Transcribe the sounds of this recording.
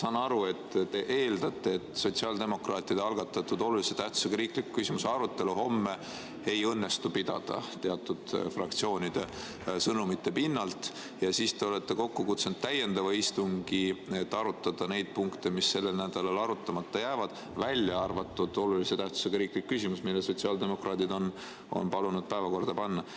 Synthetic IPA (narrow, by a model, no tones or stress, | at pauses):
sɑnɑɾue̞t̪ːt̪e̞ʔe̞ːld̪ɑt̪ːˑe̞ːt̪ːˑso̞t̪siɑld̪e̞mo̞krɑːt̪ˑːid̪eɑlɡɑt̪ːˑɑt̪ːud̪̥o̞lulise̞t̪æht̪u̥seɡɑɾiːklikːkysimuse̞ɑɾut̪ːˑe̞luɦo̞mːe̞ | e̞jɤnːe̞st̪upid̪̥ɑ̰d̪̥ɑ̰t̪eɑt̪ːˑud̪̥frɑk̚t̪sio̞ːnʲid̪̥e̞ | sɤnumit̪ːe̞pinːɑlt̪ | jɑsiːst̪e̞o̞let̪ːe̞ko̞kːukut̪send̪̥t̪ːæjːe̞nd̪ɑvɑist̪uŋɡ̥iet̪ːɑɾut̪ːˑɑd̪̥ɑne̞jd̪̥̚puŋkt̪e̞misːe̞lːelnæd̪̥ɑlɑlɑɾut̪ˑːɑmɑt̪ːɑjæːvɑd̪̥ | vælʲjɑɑrvɑt̪ːˑud̪̥o̞luliset̪æht̪u̥seɡ̥ɑɾiːklikːysʲimusmilːeso̞t̪siɑld̪e̞mo̞krɑːt̪id̪o̞n | o̰npɑlunud̪̥̚pæevɑko̞rd̪̥ɑpɑnːɑ